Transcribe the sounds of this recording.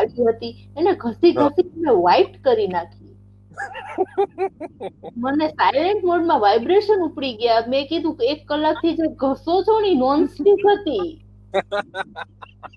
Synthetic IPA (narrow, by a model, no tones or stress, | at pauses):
aɽiɦət̪ieneɡʱəsiɡʱəsit̪əneʋaiʈkəɾinakʰi | mənesajleɳʈmoɖmãʋajbɾeʃənupɽiɡəjam̃ekid̪ʱũekːəlːak̚t̪ʰid͡ʒeɡʱəsot͡ʃʰoɽ̃inɔnsʈikɦət̪i